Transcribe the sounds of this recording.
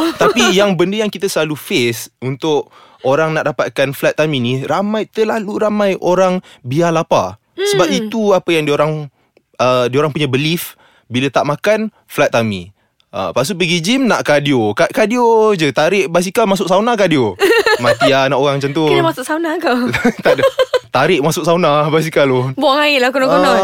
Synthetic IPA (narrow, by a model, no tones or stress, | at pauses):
t̪apijaŋbəndəjaŋkit̪asəlalufesunt̪ʊʔ | oɾaŋnaʔdapat̪̚kanflat̪ːaminiramajt̪əlaluɾamãjʔoɾaŋbialapa̰ | səbap̚it̪uapəjaŋdioɾaŋ | ədioɾaŋpuɲabəlif | bilat̪aʔmakan | flat̪̚ːamḭ | ʔə̰pas̬uʔpəɡid͡ʒimnaʔkadiokaʔkadiod͡ʒət̪aɾɪʔbas̬ikamas̬ʊʔsawnakadiomat̪ianaʔoɣaŋmt͡ʃant̪̬uamasʊʔsaunakat̪at̪aɾɪʔmasʊʔ̚saunabas̬ikalɔbuaŋaɪʔlakunaʔkonɔ